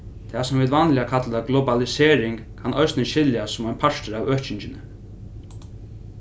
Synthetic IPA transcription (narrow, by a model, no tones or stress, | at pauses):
t̪ʰɛsʊmviːt̪vanlɪakʰat̪laɡlɔbalɪsɛːɾɪŋkkʰanʔɔɥsnɪʃɪljasʊmɔjnpʰaʂt̪əɾawœːt͡ɕɪɲt͡ʃɪnɪ